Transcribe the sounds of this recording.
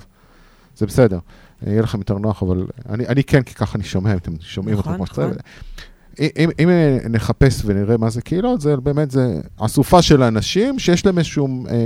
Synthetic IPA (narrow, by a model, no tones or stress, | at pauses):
z̥ebese̞de̞ʁijelaχemjot̪eʁnoaχavala̰niʔanikenki̥kaχaniʃomeaimat̪emʃomimot̪χekmaʃt͡saʁi | iʔimimneχape̞sveniʁemazekʰeilotzelbe̞ːmetzea̰sufaʃe̞lanaʃimʃejeʃlaemezʃum